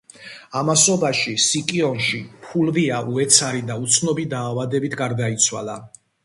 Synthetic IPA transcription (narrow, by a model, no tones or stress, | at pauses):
amasɔbaʃisikʼiɔnʃipʰulviaʔuɛt̪sʰaɾid̪aut̪sʰnɔbid̪aːvad̪ɛbit̪ʰɡaɾd̪ait̪sʰwala